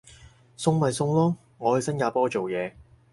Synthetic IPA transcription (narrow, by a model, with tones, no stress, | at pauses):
sʊ˧ŋmɐ˨˩jsʊ˧ŋlɔː˥ | ŋɔː˨˧hɐ˨˩jsɐ˥njaː˨˧pɔː˥t͡ʃo˨wjɛː˨˧